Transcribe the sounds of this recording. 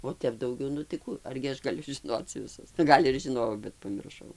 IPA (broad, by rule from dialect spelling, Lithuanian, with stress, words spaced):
oː ˈtʲɛp dɐʊˈɡʲɛʊ nʊ tɐɪ ˈkuː ɐrʲɡʲɪ ˈɐʃ ɡɐˈlʲʊ ʒʲɪˈnoːt͡s ʋʲˈɪsʊ ˈɡɐlʲ ɪr ʒʲɪˈnoːjɛʊ bʲɛt pɐmʲɪrˈʃɐʊ